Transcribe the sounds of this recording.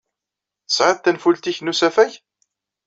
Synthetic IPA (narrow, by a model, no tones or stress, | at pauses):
θə̥sʕəðt̪ːænfult̪içnusæfæʝ